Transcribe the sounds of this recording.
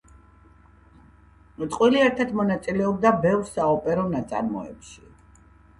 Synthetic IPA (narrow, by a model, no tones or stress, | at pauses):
t̪ʼqʼwiliɛɾt̪ʰat̪ʰmɔnat̪sʼilɛɔb̚d̪abɛvɾsaɔpʼɛɾɔnat̪sʼa̰ɾmɔ̰ɛ̰pʃi